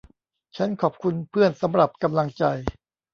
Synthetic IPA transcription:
t͡ɕʰa˦˥nkʰɔː˨˩p̚kʰu˧npʰɯ˥˩ənsa˩˦mɾa˨˩p̚ka˧mla˧ŋt͡ɕa˧j

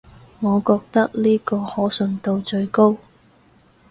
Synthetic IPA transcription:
ŋɔː˨˧kɔː˧k̚t̪ɐ˥k̚liː˥kɔː˧hɔː˨˥sɵ˨˧nt̪o˧wt͡ʃɵ˧ɥko˥w

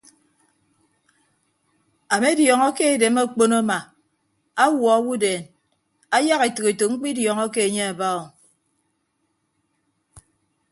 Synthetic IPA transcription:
a˨me˦djɔ˨ŋɔ˦ke˦e˨de˨˦mo˦k͡po˦no˦ma˨ | a˦wɔ˨a˦wu˦deː˨n | a˦ja˦ɣe˨tɨ˨ke˨to˨ŋ͡m̩˦k͡pi˦djɔ˨ŋɔ˦ke˦e˨ɲe˦a˨ba˦o˨

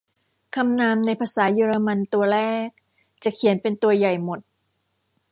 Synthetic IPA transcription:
kʰa˧mnaː˧mna˧jpʰaː˧saː˩˦jɯː˧ɾa˧ma˧nt̪u˧ɐlɛː˥˩k̚ | t͡ɕa˨˩kʰi˨˩˦npe˧nt̪u˧ɐja˨˩jmo˨˩t̪̚

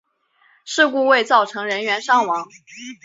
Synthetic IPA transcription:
ʂɻ̩˥˧ku˥˧we˥˧ɪt͡sɑ˥˩ʊʈ͡ʂʰɤ˧˥ŋɻə˧˥nɥɛ˧˥nʂɑ˥˩ŋwɑ˧˥ŋ

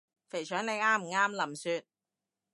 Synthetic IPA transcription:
fe˨˩jt͡ʃʰœː˨˥ŋne˨˧jaː˥m̩˨˩ŋaː˥mlɐ˨˩msyː˧t̪̚

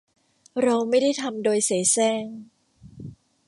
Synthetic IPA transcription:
ɾa˧wma˥˩jda˥˩jt̪ʰa˧mdoː˧jseː˩˦sɛː˥˩ŋ

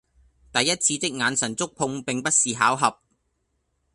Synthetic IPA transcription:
t̪ɐ˨jːɐ˥t̚t͡sʰiː˧t͡sɪ˥k̚ŋaː˨˧nsɐ˨˩nt͡sʊ˥k̚pʰʊ˧ŋpɪ˨ŋpɐ˥t̚siː˨ɦaː˨˥wɦɐ˨p̚

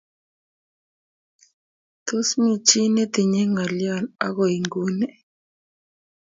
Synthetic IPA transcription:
t̪o˦smi˦t͡ʃi˦ne˦t̪ɪ˨ɲe˦ŋa˨lja˦˨na̰˦ɣɔ˨i˨ŋɡu˦nɛ˨

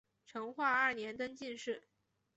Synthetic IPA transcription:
ʈ͡ʂʰɤ˧˥ŋxwa˥˧ɐ˞˥˩njɛ˧˥nt̪ə˥ŋt͡ɕi˥˧nʂɻ̩˥˩

